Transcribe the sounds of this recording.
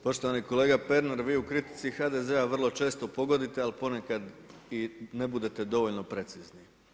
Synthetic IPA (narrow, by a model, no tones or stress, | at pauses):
po̞ʃt̪oʋaniko̞leːɡape̞ɾneɾʋiːukɾit̪i̥t̪sixad̪e̞ze̞aʋər̩lˠo̞t͡ʃe̞ːst̪o̞po̞ɡo̞d̪it̪ealpo̞nekad̪ine̞bud̪e̞t̪e̞d̪o̞ʋo̞ʎno̞pɾe̞t̪sizni